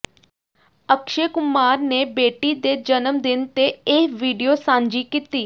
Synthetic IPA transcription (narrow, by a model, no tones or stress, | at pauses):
əkʃeːkʊmaːɾneːbeːʈiːd̪eːd͡ʒənəmd̪ɪnt̪eːɪʋiːɖijoːsãːɲd͡ʒiːkiːt̪iː